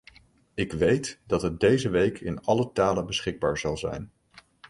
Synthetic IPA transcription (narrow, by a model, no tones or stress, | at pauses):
ɪkʋejtdɑtɦət̚dejzəʋejkʰɪ̰nɑlətaːlənbəsχɪɡ̚baːɹzɑlˠzɛ̰jn